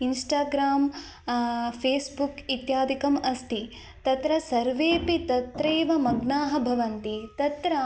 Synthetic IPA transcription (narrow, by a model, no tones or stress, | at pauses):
insʈaːɡɾaːm | pʰeːsbukit̪jaːd̪ʱikɐmɐst̪ʰi | t̪ɐt̪ɾɐsɐɾʋeːpit̪ɐt̪ɾeːʋɐmɐɡnaːɦɐ̆bʱɐʋɐnt̪it̪ɐt̪ɾɐ